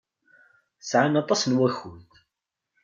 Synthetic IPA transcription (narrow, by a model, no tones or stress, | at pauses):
sʕanɑt̪ˤɑsnwæçʊlt̪